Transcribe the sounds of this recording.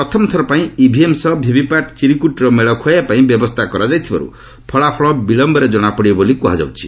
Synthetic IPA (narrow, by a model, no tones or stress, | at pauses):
pɾɔt̪ʰɔmɔt̪ʰɔɾɔpaĩibʱiemsɔbʱibʱipaʈt͡ʃiɾikuʈɾɔmeɭɔkʰɔjapaĩbjɔbɔst̪ʰakɔɾad͡ʒajt̪ʰiba̰ɾṵ | pʰɔɭapʰɔɭɔbiɭɔmbɔɾed͡ʒɔɽ̃apɔɽiɔbolikuɦa̰d͡ʒa̰wt͡ʃʰi̥